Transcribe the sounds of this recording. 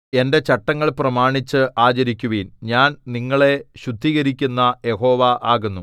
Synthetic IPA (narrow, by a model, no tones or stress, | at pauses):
e̞nde̞t͡ɕɐʈːɐŋːɐɭprɐmaːɳit͡ɕːɨʔaːt͡ɕɐɾikʲːuʋinɲaːnniŋːɐɭe̞ɕud̪ʱːiɣɐɾikʲːunːɐje̞ho̞ːʋɐʔaːɣunːu